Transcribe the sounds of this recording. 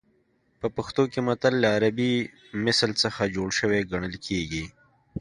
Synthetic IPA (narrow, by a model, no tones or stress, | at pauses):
pəpɐxt̪okemɐt̪əlːaːɾabi | mɪsəlsəxad͡ʒoɽʃəweɡɐɽ̃əlkʰeɡi